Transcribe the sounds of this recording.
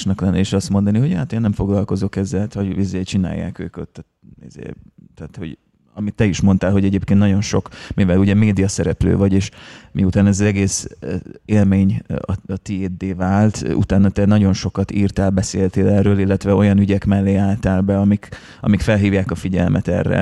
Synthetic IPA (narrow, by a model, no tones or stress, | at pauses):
ʃnɛklɛnːɛiʃɒst̪mo̞nd̪ɒniɦo̞ɟha̰t̪eːnːɛɱfo̞ɡlɒlko̞zo̞kɛzːɛlt̪hoɟizeːt͡ʃina̰ːjːa̰ːkø̰ːko̰t̪ː | ḭzḛːt̪ɛːt̪ho̞̰ɟ | ɒmit̪ːɛiʃmo̞nt̪aːlɦo̞ɟɛɟeːp̚kent̪nɟo̞nʃo̞kmivɛluɟɛmeːd̪ijɒsɛɾɛplø̰ːvɒɟeːʃmiut̪aːnɛzɒzɛɡeːs | eːlmeːɲɒ̰ɒt̪ieːd̪ːeːvaːlt̪ṵt̪aːnːɒt̪ɛnɒɟo̞nʃo̞kɒt̪irt̪aːlbɛseːlt̪eːlɛrːøːlilːɛt̪ʋɛo̞jɒnyɟɛkmɛlːeːaːlt̪aːlbɛɒmik | ɒ̰mikfɛlɦiːvjaːkɒfiɟɛlmɛt̪ɛ̰rːɛ̰